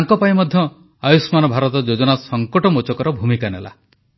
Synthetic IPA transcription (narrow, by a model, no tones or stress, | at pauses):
aŋkɔpaĩmɔd̪ʱjɔ | ajusmanɔbʱaɾɔt̪ɔd͡ʒod͡ʒɔnasɔŋkɔʈɔmot͡ʃɔkɔɾɔbʱumikanḛla̰